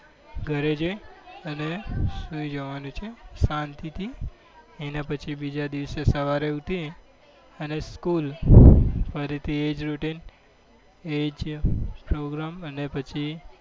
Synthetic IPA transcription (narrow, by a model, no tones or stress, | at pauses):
ɡʱəɾed͡ʒojənesujd͡ʒəʋanũt͡ʃʰesãnt̪it̪ʰi | enapət͡ʃʰibid͡ʒad̪iʋsesəʋaɾeut̪ie | əneskul | fʰəɾit̪ʰied͡ʒɾuʈin | ed͡ʒpɾoɡɾamənepət͡ʃʰi